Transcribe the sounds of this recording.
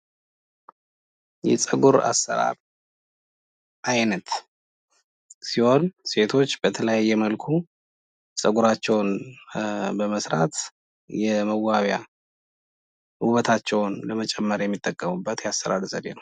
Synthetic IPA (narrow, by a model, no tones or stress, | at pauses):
jɛ̰sʼəɡuɾa̰sːə̰ɾa̰ɾ | ʔajnət̪ | siho̞nse̞t̪ʰo̞t͡ʃːb̥ət̪ʰələjjːɛməlkʰu | sʼəɡuɾat͡ʃːɛwn | bəməsɾa̰t̪ | jɛməɡaβja̰ | uβət̪ʰat͡ʃːɛwnləmət͡ʃʼɛmːəɾjɛmːit̪ʼːəkʼːəmubːət̪jasːəɾa̰ɾzəd̪ḛnəw